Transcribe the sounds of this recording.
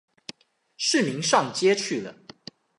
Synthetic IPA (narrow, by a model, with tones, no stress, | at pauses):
ʂɻ̩˥˩mi˧˥ŋʂɑ˥˨˩ŋt͡ɕjɛ˥t͡ɕʰy˥˩d̪ə˩